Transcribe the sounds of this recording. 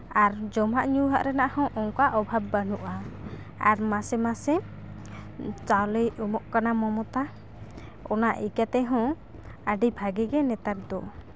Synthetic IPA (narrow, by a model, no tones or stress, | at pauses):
aɾd͡ʒɔmaʔɲuɦaʔɾɛnaʔhɔ̃ʔɔŋkaʔɔbʱab̚ːanuʔa | a̰ɾmasɛmasɛ | t͡ʃawlijʔumɔʔkanamɔmɔt̪a | ɔnaʔikat̪ɛɦɔ̃ | aɖibʱaɡiɡɛnɛt̪aɾ̚d̪ɔ